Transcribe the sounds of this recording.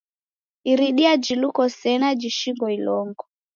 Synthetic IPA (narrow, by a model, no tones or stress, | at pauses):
iɾiɗiad͡ʒilukɔsɛnad͡ʒiʃiŋɡɔilɔŋɡɔ